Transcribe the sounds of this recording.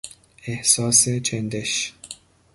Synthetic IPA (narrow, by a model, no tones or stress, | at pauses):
ehsɒːset͡ʃʰend̪eʃ